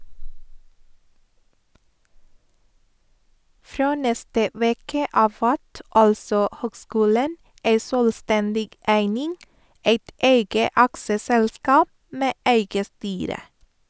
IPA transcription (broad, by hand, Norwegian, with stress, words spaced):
ˈfɾoː ˈnɛstə ˈʋeːkə ˈɑːʋ ˈʋæt ˈɑlsɔ ˈhøːɡˌskʉːlən ˈæɪ ˈsøːlˌstɛndɪɡ ˈæɪnɪŋ ˈæɪt ˈæɪɡə ˈɑksəˌsɛlˌskɑːp ˈmeː ˈæɪɡə ˈstyːɾə